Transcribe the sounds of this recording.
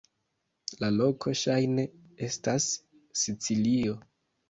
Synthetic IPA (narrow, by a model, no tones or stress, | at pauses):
lalo̞kʰo̞ʃajne̞ | e̞stasː | it͡silio̞